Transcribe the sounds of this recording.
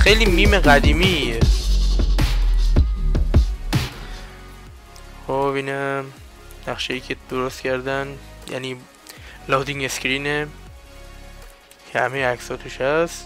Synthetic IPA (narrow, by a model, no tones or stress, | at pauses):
xejliːmiːmeɣæd̪iːmije | xobiːnæm | næχʃejiːcʰed̪̥oɾost̪cʰæɾd̪ænjæ̰niː | lɒːd̪iŋeskɾiːne | cʰehæmejeæksɒːt̪ʰuʃhæst̪